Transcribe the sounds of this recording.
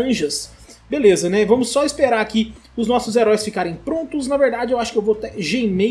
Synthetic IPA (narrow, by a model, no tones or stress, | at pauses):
ɐ̃ʒɐs | belezɐnɛvɐ̃mʊsːɔɪspeɾaɾkɪ | ʊznɔsʊzeɾɔjsfikaɾẽj̃pɾõnt̪ʊs̬nɐveɾd̪ad͡ʒɪewaʃʊ̥kɪewvot̪ɛʒejme